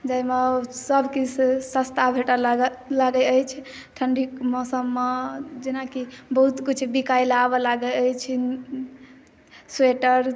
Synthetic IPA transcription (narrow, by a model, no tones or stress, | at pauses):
d͡ʒaimesəbʱkissə̃st̪ʰabʱeʈallaɡɛəjt͡ʃʰ | ʈʰəɳɖikmɔsəmːed͡ʒinakibəɦut̪kit͡ʃʰbikailabelaɡɛəjt͡ʃʰi | seʈəɾ